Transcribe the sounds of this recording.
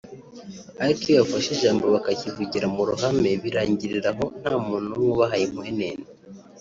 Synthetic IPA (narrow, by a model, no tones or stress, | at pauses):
aɾikiβafaʃeʒaːmboβakacivuɟiɾamuɾuɦame̞βiɾaːɲɟiɾiɾaɦo̞n̥haːmuːnumuβaɦajemuheneːne